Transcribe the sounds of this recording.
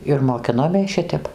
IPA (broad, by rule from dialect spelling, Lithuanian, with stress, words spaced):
ɪr moːˈkʲɪnoːmʲeːs ˈʃʲɪtʲɛp